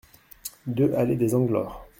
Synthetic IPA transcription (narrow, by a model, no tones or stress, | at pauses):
d̪øʔaled̪ezɑ̃ɡlɔːʁ